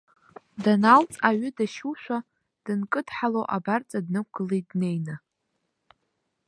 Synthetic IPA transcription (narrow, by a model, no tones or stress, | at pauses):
danalt͡sʼaɥʏdaʃuʃʷᶣa | d̥ɨnkʼɨdħalowʔabart͡sʼadnɨk̚ʷɡɨledne̞jna